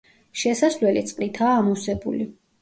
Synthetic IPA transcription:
ʃɛsaslwɛlit̪sʼqʼlit̪ʰaːmusɛbṵli

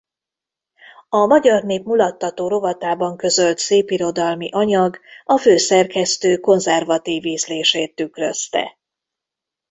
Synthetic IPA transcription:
ɒmɒɟɒrneːpmulɒt̪ːɒt̪oːɾo̞vɒt̪aːbɒŋkø̞zø̞lt̪seːpiɾo̞d̪ɒlmiʔɒɲɒɡɒføːsɛrkɛst̪øːko̞nzɛrvɒt̪iːviːzleːʃeːt̪ːykrøst̪ɛ̰

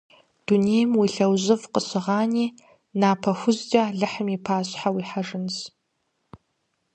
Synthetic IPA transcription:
d̥unejmwiɬɐwʑɨvqəɕɨʁaːniː | naːpʰɐxʷʊzd͡ʒaɮɨħəmiːpʰaːɕʼħawiːħaʐɨns

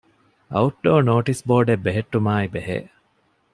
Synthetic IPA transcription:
ɐuʈɖoːnoːʈisboːɖebːeɦeʈːumaːibeɦḛː

